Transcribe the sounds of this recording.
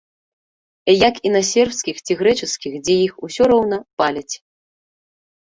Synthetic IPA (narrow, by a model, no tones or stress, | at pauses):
jakinasʲɛrpskʲixt͡sʲiɣɾɛt͡ʂɨskʲixd͡zʲɛjixusʲɔɾɔwnɐpalʲɐt͡sʲ